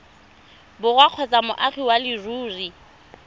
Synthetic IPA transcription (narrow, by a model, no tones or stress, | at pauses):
bʊɣwaq͡χʰɔt͡sʼamʊʔaχiwalɪruːri